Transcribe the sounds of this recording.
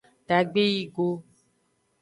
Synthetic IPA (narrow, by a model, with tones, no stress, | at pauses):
ɖ̥a˨ɡ͡be˦ji˦ɡo˦